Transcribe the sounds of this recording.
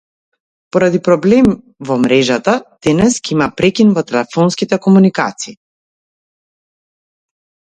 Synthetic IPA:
poɾad̪ipɾɔblɛm | vɔmɾɛʒat̪ad̪̥ɛnɛskʲɛimapɾɛkinvɔt̪ɛlɛfɔnskit̪ɛkɔmunikat̪siː

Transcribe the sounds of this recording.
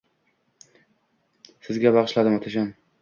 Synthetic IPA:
sɪzɡʲabɑʁɨʃlad̪ɪmat̪ʰaʃ̬an

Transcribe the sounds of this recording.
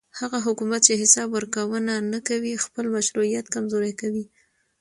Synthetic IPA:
haɣaɦʊkumat̪̚t͡ʃeɦɪsɑbwəɾkawənanakawixpəlmaʃɾuijat̪kamzoɾajkawi

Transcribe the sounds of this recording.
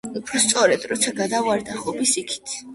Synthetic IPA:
upʰɾɔst̪sʼɔɾɛd̪ɾɔt̪sʰaɡad̪avaɾd̪aχɔbisikʰi̥t̪ʰ

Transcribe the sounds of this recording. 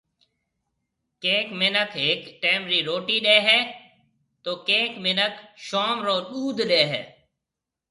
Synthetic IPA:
keːkmɪnəkʰɦɪkʈeːmɾiːɾoːʈiːɗeːɦɛ̃ː | t̪oːkeːkmɪnəkʃoːmɾoːɗuːd̪ʱɗeːɦɛ̰ː

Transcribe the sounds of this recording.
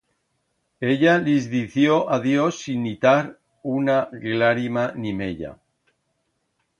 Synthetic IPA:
e̞ʎalizðiθjoʔaðjosːinːit̪aɾ | unaɡlaɾimanimeʎa̰

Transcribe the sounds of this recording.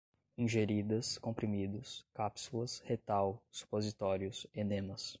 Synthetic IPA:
ĩʒeɾid̪ɐskõpɾimid̪ʊskapsulɐshet̪awsu̥pozit̪ɔɾjʊsenẽmɐs

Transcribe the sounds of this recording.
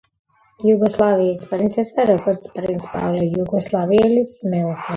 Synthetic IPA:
juɡɔslˠaːvijispaɾint̪sɛsaɾɔbɔɾt̪spaɾint̪spa̰wlʲɛjuɡɔslˠaːviɛlʲismɛlxa

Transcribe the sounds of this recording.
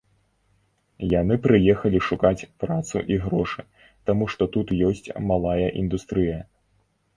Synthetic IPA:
jan̪ɨpɾɨjɛxɐlʲiʂukat͡sʲpɾat̪sṵʔiɣɾɔʂɨ | t̪amuʂt̪ɔt̪ut̪jɔsʲt͡sʲmalˠajɐʔind̪ust̪ɾɨjɐ

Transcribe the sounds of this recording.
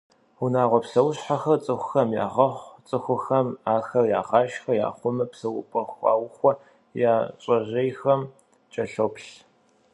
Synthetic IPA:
ʊnaːʁʷɔpsɐwɕħaxɐrt͡sʼɨxʷʊxɐmja̰ːʁɐχʷt͡sʼɨxʷʊxɐmaːxɐrja̰ːʁɑːʃxɐja̰ːχʷʊmɐpsɐwʊ̰pʼɐxʷɑ̰ːwxʷɔ | jaːɕʼɐʑejxɐm | t͡ʃʼɐɬopɬ

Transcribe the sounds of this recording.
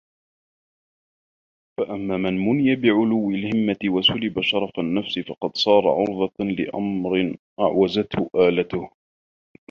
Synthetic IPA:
faʔamːaːmanmʊnɪjabɪʕʊlʊwːɪlhɪmːat̪ɪwasʊlɪbaʃɑɾˤɑfanːafsɪfɑqɑd̪sˤɑːɾˤɑ̰ʕʊɾˤðˤɑlɪ̰ʔa̰mɾɪnʔa̰ʕwazat̪hʊʔaːlat̪ʊh

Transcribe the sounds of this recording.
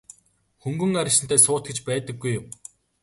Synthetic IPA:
xɵŋɡɵ̆ŋaɾʲɪ̆ʃɪ̆nt̪æːsʊːt̪̚ɡet͡ɕpæːt̪ə̆ɡːujːʊm

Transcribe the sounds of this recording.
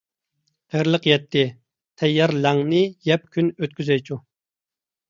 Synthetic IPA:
qʰəɾlˠəqjɛt̪ʰːɪ | t̪ʰɛjːɑɾlæŋnɨjɛp̚kʲʰynøt̪kʲyzɛjt͡ʃʰu

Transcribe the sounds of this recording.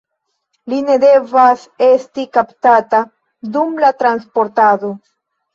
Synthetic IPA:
line̞de̞vas | e̞stikaptata | dumlatɾanspo̞ɾtado̞

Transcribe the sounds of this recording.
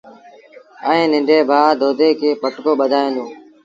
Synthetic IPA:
əẽːnɪɳɖeːbʱaːd̪oːd̪ʱeːkʰeːpəʈkoːɓəd̪ʱaːẽːnd̪oː

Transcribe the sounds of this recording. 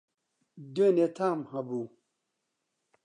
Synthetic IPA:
denetʰamhãbu

